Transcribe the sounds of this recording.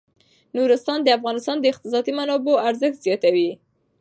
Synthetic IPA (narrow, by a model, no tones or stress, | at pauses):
nuɾɪst̪ɑnd̪əafɣɑnɪst̪ɑnd̪əɪq̚t̪ɪs̬ɑd̪imanɑboaɾzəxt̪z̥jɑt̪awi